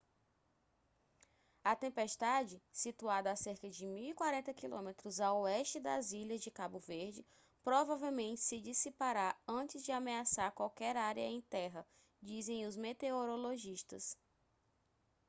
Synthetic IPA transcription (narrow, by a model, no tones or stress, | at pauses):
ɐt̪ẽmpeʃt̪ad͡ʒɪsit̪uad̪ɐːseɾkɐd͡ʒɪmiwikwaɾẽnt̪ɐkilõ̰met̪ɾʊzawɛʃt͡ʃɪd̪ɐ̰ziʎɐzd͡ʒɪkabʊveɾd͡ʒɪ | pɾɔvavewmẽnt͡ʃɪ̥sɪd͡ʒisipaɾaɾɐ̃t͡ʃɪzd͡ʒɪameasaɾkwawkɛɾaɾjɐẽj̃t̪ɛɦɐ | d͡ʒizẽj̃ʊzmet̪eoɾoloʒiʃt̪ɐ̰s